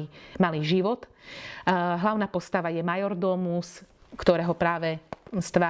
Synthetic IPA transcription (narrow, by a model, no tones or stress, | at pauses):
imaliːʒiʋɔt̪ | ɦlaʊnaːpɔst̪aʋajɛmajɔɾd̪ɔmuskt̪ɔɾɛːɦɔpɾaːʋɛst̪ʋaː